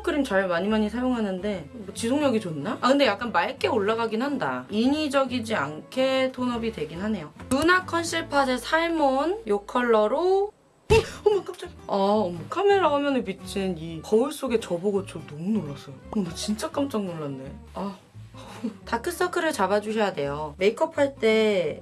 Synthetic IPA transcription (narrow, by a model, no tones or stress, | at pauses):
kʰɯɾimt͡ɕaɭmaɲimaɲisʰajoŋɦanɯnde̞t͡ɕisʰoŋɲʌɡit͡ɕonːakʰɯndejak͈anmaɭk͈e̞oɭːaɣaɡinɦanda̰iɲid͡ʑʌɡid͡ʑiankʰe̞tʰonʌbitwe̞ɡinɦane̞jonunakʰʌnɕʰiɭpʰasʰesʰaɭmonjokʰʌɭːʌɾo | ʌmʌk͈amt͡ɕ͈aŋaʌmʌkʰameɾaɡamjʌnɯnpit͡ɕ͈ʰinikʌuɭs͈oɡe̞t͡ɕʌboɡʌt͡ɕʰonomunoɾas͈ʌjokʌmʌt͡ɕint͡ɕ͈ak͈amt͡ɕ͈aŋnoɭːanːe̞ | a | takʰɯs͈ʌkʰɯɾɯɭt͡ɕabad͡ʑuɕ̬ʰijade̞jome̞ikʰʌpʰaɭt͈e̞